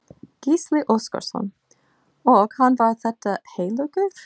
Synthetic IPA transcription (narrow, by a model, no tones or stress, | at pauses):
ɡ̥ɪslɪʔʊskɑ̰ɾsɔ̰n | oːɡ̥hɑnʋɑːθɛt̪əheɪləkʉ